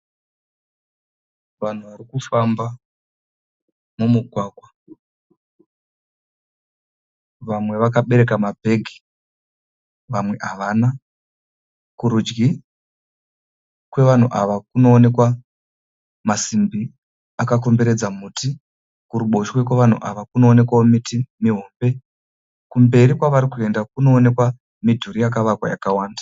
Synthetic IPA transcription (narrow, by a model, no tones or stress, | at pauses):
ʋan̤uʋaɾikufamba | mumuɡʱwaːɡʱwa | ʋamwe̞ʋakaɓe̞ɾe̞kamabʱe̞ɡʱi̥ | ʋamwe̞ʔaʋana | kuɾud͡ʒɡi | kwe̞ʋan̤uʔaʋakuno̞ːne̞kwa | masimbi | akako̞mbe̞ɾe̞d͡zamuti | kuɾuɓo̞ʃwe̞kwe̞ʋan̤ṵʔaʋakuno̞ːne̞kwaomitimiɦo̞ːmbe̞ | kumbe̞ɾikwaʋaɾikue̞ndakuno̞ːne̞kwa | midʱuɾijakaʋakwa̰ja̰kawaːndḁ